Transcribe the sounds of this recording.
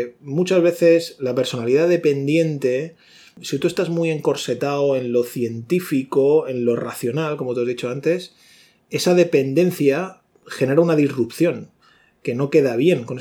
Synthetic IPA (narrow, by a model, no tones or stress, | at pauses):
mut͡ʃazβe̞θe̞slape̞ɾso̞naliðaðe̞pe̞nd̪je̞nt̪e̞ | sit̪ue̞st̪azmuje̞ŋko̞ɾse̞t̪aoe̞nlo̞θje̞nt̪ifiko̞e̞nlo̞ra̰θjo̞nalko̞mot̪uazðit͡ʃo̞ant̪e̞s | e̞saðe̞pe̞nd̪e̞n̟θja | xe̞ne̞ɾaunaðizrup̚θjo̞ŋ | ke̞no̞ke̞ðaβje̞ŋkone